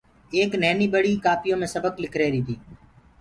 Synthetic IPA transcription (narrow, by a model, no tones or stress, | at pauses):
eːknɛːniːbəɽiːkaːpɪjõːmẽːsəbəklɪkʰɾeːɾiːt̪ʰiː